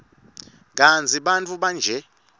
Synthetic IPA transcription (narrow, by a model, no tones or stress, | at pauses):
k̬ʼant͡sʰʼiɓant͡fʰʼuɓand͡ʒʱɛ